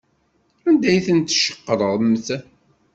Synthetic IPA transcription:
ænd̪æjθənt̪ːʃə̥qːəɾˤəʁmːθæ

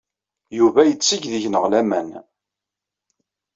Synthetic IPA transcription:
juvæjət͡sːiʝðiʝnəʁlæmæn

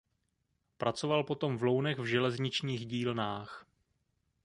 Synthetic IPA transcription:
pɾʔat͡sovalpo̞t̪o̞mvlownɛɣvʒɛlɛzɲɪt͡ʃɲiːɣɟiːlnaːx

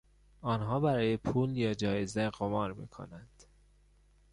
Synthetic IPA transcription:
ɒːnɦɒːbæɾɒːjepʰuːljɒːd͡ʒɒːjezeɣomɒːɾmḭːkʰo̰nænd̪̥

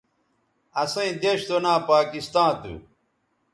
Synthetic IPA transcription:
ɐsɐ̃ĩd̪eɕt̪onãːpaːkist̪ãːt̪ṵ

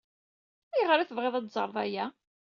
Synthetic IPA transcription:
jʁɾæθəvʁeðˤæt̪zˤə̰ɾˤvæjæ

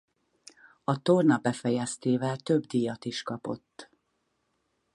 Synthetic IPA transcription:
ɒt̪o̞rnɒbɛfɛjɛst̪eːvɛlt̪ø̞bd̪ijɒt̪iʃkɒpo̞̰t̪ː

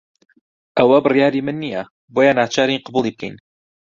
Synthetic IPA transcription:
ʔɐwɐbɨrjaːɾiːmɨnːijɐ | boːjanaːt͡ʃʰaːɾiqɨbuːlˠib̚kʰɛ̰jn

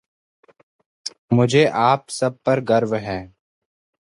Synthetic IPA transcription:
mʊd͡ʒʱeːʔaːpsəb̚pəɾɡəɾʋɦɛː

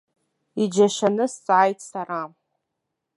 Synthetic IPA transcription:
id͡ʒaʃanɨst͡sʼʕajtʼʰsara

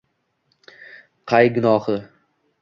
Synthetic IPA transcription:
qʰɑjɡʊnɒhɪ

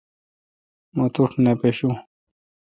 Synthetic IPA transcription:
mot̪uʈʰnepeɕu

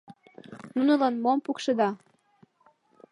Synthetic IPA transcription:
nunəlɑnmompukʃɤd̪ɑ

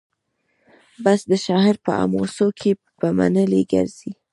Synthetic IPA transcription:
basd̪əʃɑɦɪɾpəa̰mosokʰepəma̰nəleɡa̰ɾz̥i

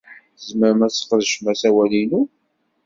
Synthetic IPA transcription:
zməɾəmæsə̥qːəðʃmæsæwælinu

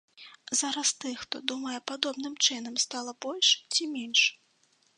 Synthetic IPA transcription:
zaɾɐst̪ɨxt̪ɔ̰d̪umɐjɛpad̪ɔbnɨmt͡ʂɨnɐmst̪alˠɐbɔlʲʂt͡sʲimʲenʲʂ

